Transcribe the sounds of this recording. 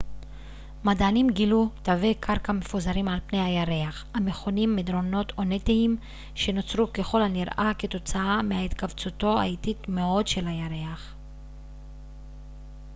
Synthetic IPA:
madanimɡilutavekʰaʁkame̞fuzaɾimalpne̞jhajaʁe̞aχhameχo̞nimːed̪ɾo̞no̞to̞netiim | ʃe̞no̞t͡sʁuke̞χo̞laniʁʔaket̪o̞t͡saamehait̪kavt͡suto̞a̰ititmeo̞dʃe̞lhajaʁe̞aχ

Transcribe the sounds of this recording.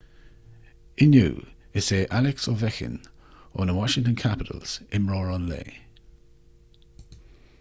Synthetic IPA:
ɪnjṵː | ɪseːʔalɛksɔvɛxɪ̰nɔ̰ːnəwɔʃɪ̃ŋtə̃nkʰapɪtʰə̰lsɪmɹɔːɹɔnlḛː

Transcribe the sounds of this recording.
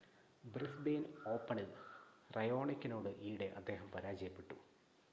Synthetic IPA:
brisbeːno̞ːpːɐɳɨrɐjo̞ːɳikʲːino̞ːɽɨʔiːɽe̞ʔɐd̪ːe̞ːɦɐmpɐɾaːd͡ʑɐjɐpːe̞ʈːṵ

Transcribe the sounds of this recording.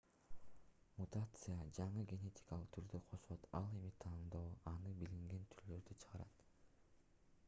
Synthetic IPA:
mut̪at̪sɨjad͡ʒɑɴɯɡʲe̞nʲe̞tʲi̥kalˠɯqt̪ʰyɾd̪øqʰo̞ʃot̪ɑ̰lˠe̞mit̪ʰɑnd̪o̞ːɑnɯbiliŋɡe̞nt̪ʰyɾlø̞ɾd̪yt͡ʃʰɯ̥ʁɑɾɑ̰t̪

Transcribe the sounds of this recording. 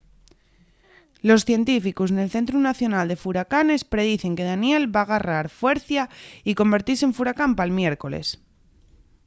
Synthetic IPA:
lo̞sθje̞nt̪ifikusne̞lθe̞nt̪̬ɾunaθjo̞nald̪e̞fuɾakane̞spɾe̞ðiθe̞ŋke̞ð̞anje̞lβaɣ̞araɾfwe̞ɾθjaiko̞mbe̞ɾt̪iɾseɱfuɾakampalmje̞ɾko̞le̞̰s

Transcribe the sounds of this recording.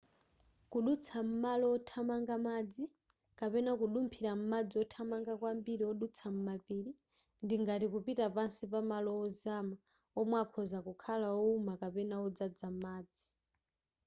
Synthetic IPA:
kuɗut͡sʰam̩malɔːtʰamaŋɡamad͡zi | kapɛnakuɗumpʰiɾam̩mad͡ziɔtʰamaŋɡakwambiɾiɔɗut͡sʰam̩mapiːɾi | ndiŋɡatikupitapansipamalɔɔzama | ɔmwakʰɔzakukʰalaɔumakapɛnaɔd͡zad͡zam̩maːd͡zi

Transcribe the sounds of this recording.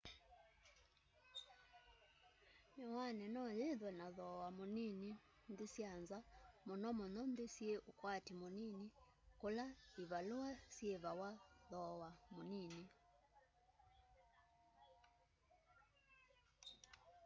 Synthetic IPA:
ɲɔwanɛnɔjɛðwɛnaðɔwamunini | ndisjanzamunɔmɔnɔndisiɛʔukwatimunini | kɔlaiβaluasjɛβawaðɔwamunini

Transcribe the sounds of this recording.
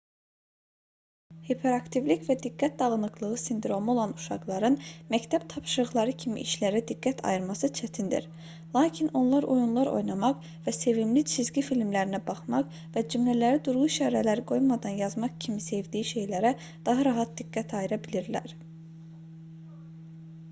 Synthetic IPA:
hepʰe̞ɾɑkt̪ʰivlicvæd̪iɡːæt̪̚d̪ɑɣɯnɯɡlˠɯɣɯsind̪ɾo̞mo̞lˠɑnuʃɑ̰qlˠɑɾɯnmæct̪ʰæb̥t̪ʰɑpʃɯɾɯɣlˠɑɾɯcʰimḭʔiʃlæɾæd̪iɡːæt̪ʰɑ̰jɯɾmɑsɯt͡ʃʰæt̪ʰind̪ḭɾ | lˠɑːcʰino̞nlˠɑɾʔojunlˠɑɾo̰jnɑmɑq | væse̞vimlit͡ʃʰizɟifilmlæɾinæbɑχmɑq | væd͡ʒymlælæɾid̪uɾʁuʃɑːɾælæɾiɡo̞jmɑd̪ɑnjɑzmɑqcʰimise̞vd̪ijiʃe̞jlæɾæ | d̪̥ɑɦɑɾɑɦɑt̪̚d̪iɡːæt̪ʰɑjiɾɑbiliɾlæ̰ɾ

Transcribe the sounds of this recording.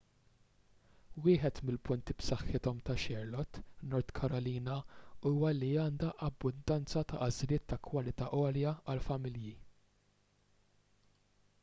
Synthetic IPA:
wɪːħɛt̪mɪlpʊnt̪ipsɐħːɪt̪ɔmt̪ɐʃɛɾlɔt̪nɔɾt̪kʰɐɾɔliːnɐuːwɐliɐːnd̪ɐʔɐbːʊnd̪ɐnt͡sɐt̪ɐʔɐzlɪːt̪ːɐkʰwɐlɪt̪ɐʔɔːljɐɐlfɐmɪlji

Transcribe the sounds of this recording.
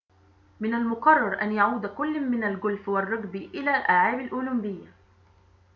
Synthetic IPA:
mɪnalmʊqɑrˤːɑɾˤʔanjaʕuːd̪akʊlːmɪnalɡʊlfwarˤːɑɡbʔɪlaːlʔaːʕaːbalʔʊːlʊmbɪjːa

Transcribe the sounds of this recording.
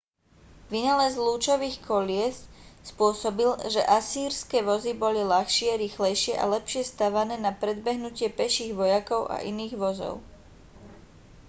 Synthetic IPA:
ʋinalɛzluːt͡ʃɔʋiːxkɔlɪɛsspʊɔsɔbilʒɛ̰ʔasiːɾskɛːʋɔzibɔlilaxʃɪɛɾixlɛjʃɪɛʔa̰lɛpʃɪɛst̪aʋanɛːnapɾɛd̪bɛɦnucɪɛpɛʃiːɣʋɔjakɔʊʔa̰ʔḭniːɣʋɔzɔ̰ʊ

